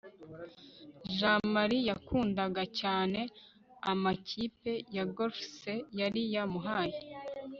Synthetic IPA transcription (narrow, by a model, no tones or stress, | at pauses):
ʒamaɾijakʰuːndaɡacaːne̞ | amacipe̞jaɡofsejaɾijamuɦaːje